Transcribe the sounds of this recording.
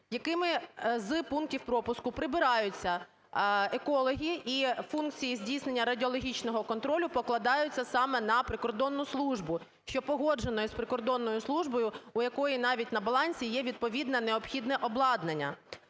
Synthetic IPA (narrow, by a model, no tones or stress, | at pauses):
jɐkɪmɪzpunk̚tʲiwpɾɔpʊskʊpɾɪbɪɾɑjʊt͡sʲːɐ | ekɔlˠɔɦʲiifunk̚t͡sʲijizʲdʲijsnenʲːɐɾɐdʲiɔlˠɔɦʲit͡ʃnɔɦɔkɔnt̪ɾɔlʲʊpɔklˠɐd̪ɑjʊt͡sʲːɐsɑmɛnɐpɾɪkɔrd̪ɔnːʊslˠuʒbʊ | ʃt͡ʃɔpɔɦɔd͡ʒenɔjʊspɾɪkɔrd̪ɔnːɔjʊslˠuʒbɔjʊʊjɐkɔjinɑʋʲit̚ʲnɐbɐlˠɑnʲsʲijɛʋʲid̪̚pɔʋʲid̪nɐneɔpxʲid̪nɛʔɔblˠɑd̪nenʲːɐ